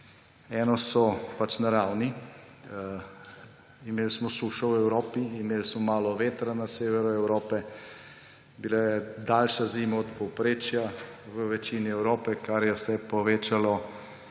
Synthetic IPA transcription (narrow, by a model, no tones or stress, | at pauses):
ɛːnɔsɔpat͡ʃnaɾawni | imeːlsmɔsuːʃɔwɛwɾoːpiːmeːlsmɔmaːlɔʋeːt̪ɾanaseːʋɛɾɔɛwɾoːpɛ | bilajɛd̪aːlʃaziːmaɔt̪pɔwpɾeːt͡ʃja | ʋəʋɛt͡ʃiːniɛwɾoːpɛkaɾjɛwsɛpɔʋeːt͡ʃalɔ